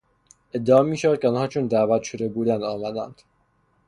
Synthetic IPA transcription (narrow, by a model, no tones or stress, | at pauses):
e̞d̪ːeɒːmiːʃævæd̪̚cʰʲeɒːnhɒːt͡ʃʰond̪æːvæt̪ʃod̪ebuːd̪ænd̪ɒːmæd̪æ̰nd̪̥